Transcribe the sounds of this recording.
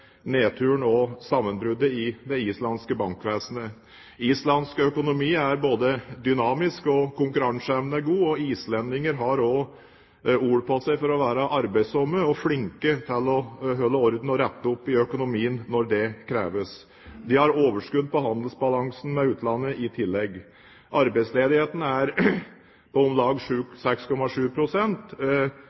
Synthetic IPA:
neːt̪ʰʉːɳɔsɑmːənbɾʉd̪ːəɪd̪ɛiːslɑnskəbɑŋkʋeːsnə | iːslɑnskœkʊnʊmiːæɾboːd̪əd̪ʏnɑːmɪskɔkʰʊŋkʉɾɑŋsɛʋnəɡuːɔiːslɛnd̪ɪŋəɾɦɑɾɔ | uːɽəpʰɔsɛɪfɔɾɔʋæːɾəʔɑɾbæɪsɔmːəɔflɪŋkət̪ʰɪlɔɦœlːəɔɾd̪n̩ɔɾɛt̪ːəʊpːɪœkʊnʊmiːənːɔɾɖ̪ɛkʰɾeːʋəs | d̪ɪhɑɾoːʋəʂkʉd̪ːpɔɦɑnd̪əl̩sbɑlɑŋsn̩mɛʉːt̪ʰlɑnːəʔɪt̪ʰɪlːɛɡ | ʔɑɾbæɪsleːd̪ɪheːt̪ənəæɾ | pʰɔɔmlɑːɡʂʉːsɛkskʰɔmɑʂʉːpʰɾʊsɛnt̪

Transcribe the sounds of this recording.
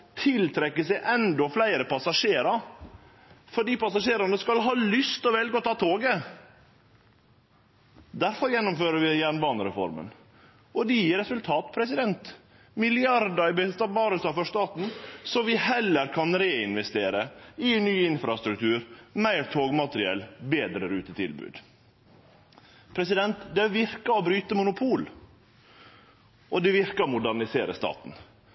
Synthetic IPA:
t̪ʰɪlt̪ʰɾɛkːəsæɪʔɛnd̪ɔflæɪɾəpʰɑsɑʂeːɾɑ | fɔɖiːpɑsɑʂeːɾɑnəskɑlɦɑːlʏst̪ɔʋɛlɡəɔt̪ʰɑːt̪ʰoːɡə | d̪æɾfɔɾjɛnːʊmføːɾəʋɪjæɳbɑːnəɾɛ̰fɔ̰ɾmə̰n | ʔɔd̪ɛjiːɾɛsʉlt̪ʰɑːt̪pʰɾɛsɪd̪ɛnt̪ | mɪlɪɑɾd̪əɾɪbɛt̪ɑbɑːɾəsɑfɔʂt̪ɑːt̪n̩sɔʋɪhɛlːəɾkʰɑnɾeːɪnʋɛst̪eːɾəɪnyːɪnfɾɑst̪ɾʉkt̪ʰʉːɾmæɪɾt̪ʰoːɡmɑt̪ɾɪɛlbeːd̪ɾəɾʉːt̪ət̪ʰɪ̰lbʉ̰ːd̪ | pʰɾɛsɪd̪ɛnt̪d̪ɛʋɪɾkɑɔbɾyːt̪əmʊnʊpʰuːl | ʔɔd̪ɛʋɪɾkəɾɔmʊd̪æɾɳɪseːɾəst̪ɑ̰ːt̪n̩

